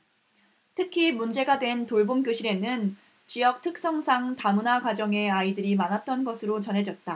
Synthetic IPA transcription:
tʰɯkʰimund͡ʑe̞ɡadwe̞ntoɭbomk͈joɕʰiɾe̞nɯn | t͡ɕiʌk̚tʰɯk̚s͈ʌŋsʰaŋtamunakwad͡ʑʌŋe̞aidɯɾimanat̚t͈ʌnɡʌsʰɯɾot͡ɕʌnɦe̞d͡ʑʌt̚t͈a

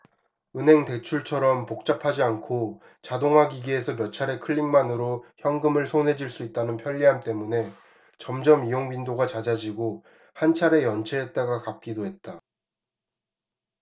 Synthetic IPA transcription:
ɯnɦe̞ŋte̞t͡ɕʰuɭt͡ɕʰʌɾʌmpok̚t͡ɕ͈apʰad͡ʑiankʰo | t͡ɕadoŋɦwaɡiɡiesʰʌmjʌt͡ɕʰaɾe̞kʰɯʎːiŋmanɯɾoçjʌŋɡɯmɯɭsʰonɦe̞d͡ʑiɭs͈uit̚t͈anɯnpʰjʌʎːiɦant͈e̞mune̞ | t͡ɕʌmd͡ʑʌmijoŋbindoɡat͡ɕad͡ʑad͡ʑiɡo | hant͡ɕʰaɾe̞jʌnt͡ɕʰeet̚t͈aɡakap̚k͈idoɦe̞t̚t͈a

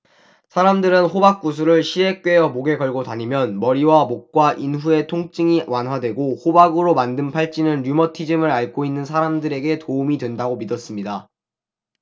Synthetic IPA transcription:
sʰaɾamdɯɾɯnɸobak̚k͈us̬ʰuɾɯɭɕʰie̞k̚k͈we̞jʌmoɡe̞ɡʌɭɡotaɲimjʌnmʌɾiwamok̚k͈waʔinɸue̞tʰoŋt͡ɕ͈iŋiwanɦwadwe̞ɡohobaɡɯɾomandɯmpʰaɭt͡ɕ͈inɯnɾumʌtʰid͡ʑimɯɾaɭk͈oinːɯnsʰaɾamdɯɾe̞ɡe̞toumidwe̞ndaɡomidʌs͈ɯmɲida

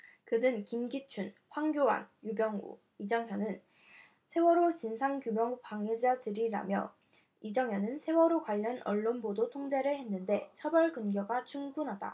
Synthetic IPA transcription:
kɯdɯnkimɡit͡ɕʰunɸwaŋɡjowa̰njubjʌŋṵ | id͡ʑʌŋɦjʌnɯn | sʰe̞wʌɾot͡ɕinsʰaŋkjumjʌŋpaŋed͡ʑatɯɾiɾa̰mjʌ | id͡ʑʌŋɦjʌnɯnsʰe̞wʌɾokwaʎːʌnʌ̰ɭːonbodotʰoŋd͡ʑe̞ɾɯɭhe̞nːɯnde̞t͡ɕʰʌbʌɭkɯnɡjʌɡat͡ɕʰuŋɡunɦada̰

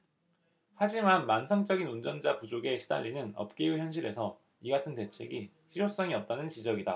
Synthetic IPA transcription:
had͡ʑimanmansʰaŋt͡ɕ͈ʌɡinund͡ʑʌnd͡ʑapud͡ʑoɡe̞ɕʰida̰ʎːinɯnʌ̰p̚k͈ejuçjʌnɕʰiɾe̞sʰʌ | iɡatʰɯnte̞t͡ɕʰe̞̰ɡi | ɕiɾos͈ʌŋiʌp̚t͈anɯnt͡ɕid͡ʑʌɡida

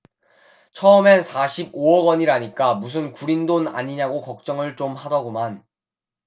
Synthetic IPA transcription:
t͡ɕʰʌɯmensʰaɕʰiboʌɡwʌɲiɾaɲik͈amus̬ʰɯnkuɾindona̰ɲiɲaɡokʌk̚t͡ɕ͈ʌŋɯɭt͡ɕomɦadʌɡoman

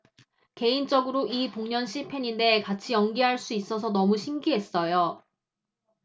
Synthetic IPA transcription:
ke̞int͡ɕ͈ʌɡɯɾoipoŋɲʌnɕʰipʰe̞ɲinde̞kat͡ɕʰijʌŋɡiɦaɭs͈uis͈ʌsʰʌnʌmuɕʰimɡiɦe̞s͈ʌjo

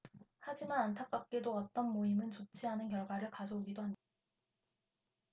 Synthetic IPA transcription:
had͡ʑimanantʰak̚p͈ak͈e̞doʌt͈ʌnmoimɯnt͡ɕot͡ɕʰiɦanɯnkjʌɭɡwaɾɯɭkad͡ʑʌoɡidoɦamɲidd̥a

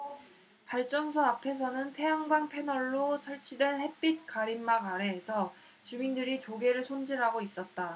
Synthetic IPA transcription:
paɭt͡ɕ͈ʌnsʰʌapʰe̞s̬ʰʌnɯntʰe̞aŋɡwanpʰe̞nʌɭːot͡ɕʰʌɭt͡ɕʰidwe̞nhe̞p͈it̚k͈aɾimːaɡaɾe̞ːsʰʌ | t͡ɕumindɯɾit͡ɕoɡe̞ɾɯɭsʰond͡ʑiɾɦaɡois͈ʌt̚t͈a

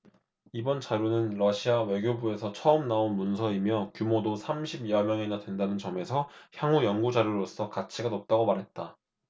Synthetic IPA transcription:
ibʌnt͡ɕaɾjunɯnɾʌɕʰiawe̞ɡjobue̞sʰʌt͡ɕʰʌɯmnaonmunsʰʌimjʌkjumodosʰamɕʰibiʌmjʌŋenadwe̞ndanɯnt͡ɕʌme̞sʰʌçjaŋujʌnɡud͡ʑaɾjuɾos͈ʌkat͡ɕʰiɡanop̚t͈aɡomaɾɦe̞t̚t͈a

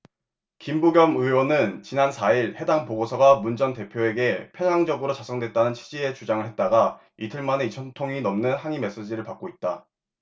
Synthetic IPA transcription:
kimbuɡjʌmɯwʌnɯnt͡ɕinansʰaiɭhe̞daŋpoɡosʰʌɡamund͡ʑʌnte̞pʰjoe̞ɡe̞pʰjʌnaŋd͡ʑʌɡɯɾot͡ɕas͈ʰʌŋdwe̞t̚t͈anɯnt͡ɕʰi̥d͡ʑie̞t͡ɕud͡ʑaŋɯɭhe̞t̚t͈aɡa | itʰɯɭmaneit͡ɕʰʌntʰoŋinʌmnɯnhaŋime̞s͈ed͡ʑiɾɯɭpak̚k͈oit̚t͈a

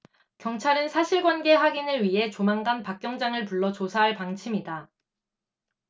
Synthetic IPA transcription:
kjʌŋt͡ɕʰaɾɯnsʰaɕʰiɭɡwanɡe̞ɸwaɡinɯɭɥiɦe̞t͡ɕomaŋɡanpak̚k͈jʌŋd͡ʑaŋɯɭpuɭːʌt͡ɕosʰaɦaɭpaŋt͡ɕʰimida

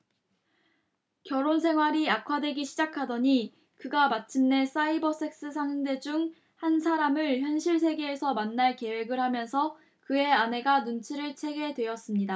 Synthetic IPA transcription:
kjʌɾonsʰe̞ŋɦwaɾiakʰwadwe̞ɡiɕʰid͡ʑakʰadʌɲi | kɯɡamat͡ɕʰimne̞s͈aibʌs͈e̞k̚s͈ɯs̬ʰaŋɯnde̞d͡ʑuŋ | hansʰaɾamɯɭçjʌnɕʰiɭsʰe̞ɡe̞ːsʰʌmanːaɭke̞we̞ɡɯɭhamjʌnsʰʌ | kɯe̞ane̞ɡanunt͡ɕʰiɾɯɭt͡ɕʰe̞ɡe̞dweʌs͈ɯmɲida

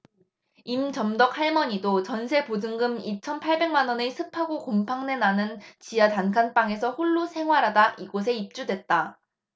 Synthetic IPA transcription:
imt͡ɕʌmdʌk̚haɭmʌɲidot͡ɕʌnsʰe̞pod͡ʑɯŋɡɯmit͡ɕʰʌnpʰaɭbe̞ŋmanwʌnesʰɯpʰaɡokompʰaŋne̞nanɯnt͡ɕijatankʰanp͈aŋe̞sʰʌɸuɭːusʰe̞ŋɦwaɾadaʔiɡos̬ʰe̞ip̚t͡ɕ͈udwe̞t̚t͈a

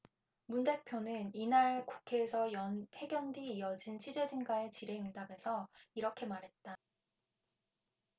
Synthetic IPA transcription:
munde̞k̚pʰjonɯninaɭku̥kʰeːsʰʌjʌnpʰe̞ɡjʌndiːjʌd͡ʑint͡ɕʰid͡ʑe̞d͡ʑinɡaet͡ɕiɾe̞ɯŋdabe̞sʰʌiɾʌkʰe̞maɾɦe̞t̚t͈a

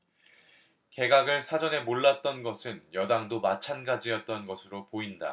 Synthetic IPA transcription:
ke̞ɡaɡɯɭsʰad͡ʑʌne̞moɭːat̚t͈ʌnɡʌsʰɯnjʌdaŋdomat͡ɕʰanɡad͡ʑijʌt̚t͈ʌnɡʌsʰɯɾopoinda̰

